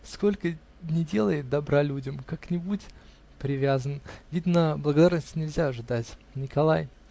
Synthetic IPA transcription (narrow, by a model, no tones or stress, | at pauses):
sko̞lʲkə | nʲɪdʲe̞lˠəjɪt̪̚d̪ɐbɾalʲudʲəmkaknʲɪbutʲ | pɾʲɪvʲazənvʲid̪nəblˠəɡɐd̪arnəsʲtʲnʲɪlʲzʲaɐʐɨd̪atʲnʲɪkɐlˠaj